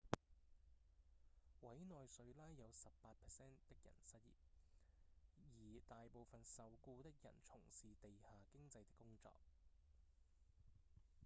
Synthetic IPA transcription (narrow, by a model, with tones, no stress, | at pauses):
wɐ˨˥jnɔː˨jsɵ˨˧ɥlaː˥jːɐ˨˧wsɐ˨ppaː˧t̚pʰɛ˨˩sɛː˥nt̪ɪ˥k̚jɐ̰˨˩nsɐ˥t̚jḭː˨p̚ | jiː˨˩t̪aː˨jpo˨wfɐ˨nsɐ˨wkuː˧t̪ɪ˥k̚jɐ̰˨˩nt͡sʰʊ˨˩ŋsiː˨t̪e˨jhaː˨kɪ˥ŋt͡sɐ˧jt̪ɪ˥kːʊ˥ŋt͡sɔ̰ː˧˨k̚